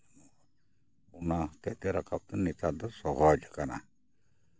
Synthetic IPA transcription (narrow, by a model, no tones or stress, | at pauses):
unat̪ɛʔt̪ɛɾakap̚t̪ɛnɛt̪ad̪ɔsɔɦɔd͡ʒkana̰